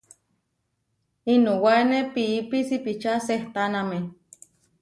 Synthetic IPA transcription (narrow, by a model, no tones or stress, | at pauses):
inowanepiipisipit͡ʃaseht̪aname